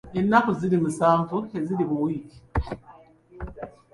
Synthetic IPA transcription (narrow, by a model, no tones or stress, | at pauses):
enːakuziɾimusaːɱvueziɾiβuwiːki̥